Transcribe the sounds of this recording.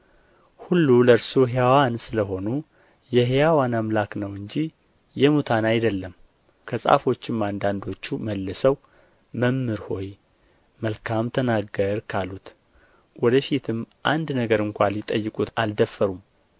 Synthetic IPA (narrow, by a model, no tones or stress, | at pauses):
hulːuləɾsuɦejawansɨləɦo̞nu | jɛɦejawanamlaknəwɨɲd͡ʒi | jɛmut̪ʰanajd̪əlːəm | kʰəsʼa̰fo̞t͡ʃːɪmːand̪and̪o̞t͡ʃːuməlːəsəw | məmːɨɾho̞j | məlkʰamt̪ʰənaɡəɾkʰalut̪ | wɔd̪əfit̪ʰɨmʔand̪nəɡəɾɨŋkʷaljɪt̪ʼəjːɨkʼut̪ald̪əfːəɾum